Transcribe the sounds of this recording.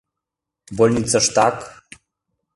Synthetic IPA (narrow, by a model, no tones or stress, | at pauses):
bolʲnʲit͡səʃt̪ak